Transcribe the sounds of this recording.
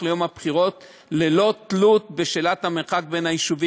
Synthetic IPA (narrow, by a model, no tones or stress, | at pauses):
lejomhabχiʁo̞t̪ | lelo̞t̪lut̪̚beʃelat̪hameʁχak̚benhaiʃuvi